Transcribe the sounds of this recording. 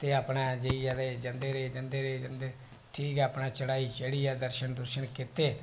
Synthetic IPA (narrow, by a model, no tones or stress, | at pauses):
t̪eːaːpnaːd͡ʒeiːaːd̪eːd͡ʒənd̪eːɾeːd͡ʒənd̪eːɾeːd͡ʒənd̪eː | ʈʰiːkɛapnaːt͡ʃəɽaːit͡ʃəɽiːɛːd̪əɾʃənd̪əɾʃənkɪt̪eː